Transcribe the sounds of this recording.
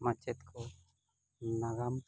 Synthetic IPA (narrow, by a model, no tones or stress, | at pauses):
mat͡ʃɛt̪kʰɔ | naɡam